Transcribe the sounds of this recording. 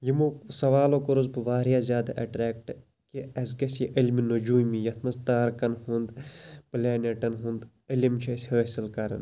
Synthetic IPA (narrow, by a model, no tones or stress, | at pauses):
jimuksɐʋaːloːkoɾuzbuʋaːɾijaːzʲjaːd̪aʔɐ̰ʈɾɛːk̚ʈ | kiɐzkɐsiʔilminod͡ʒuːmijɐt̪ʰmɐzt̪aːɾkɐnhũnd̪pleːneʈɐnɦũnd̪ | ilimt͡ʃʰisʲhəːsilkɐɾɐ̰n